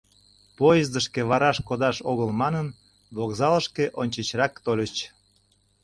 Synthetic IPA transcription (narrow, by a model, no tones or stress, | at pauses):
pojəzd̪əʃkeβɑɾɑʃkod̪ɑʃoɣəlmɑnən | βoɣzɑləʃkeʔonʲt͡ɕət͡ɕrɑkt̪olʲət͡ɕ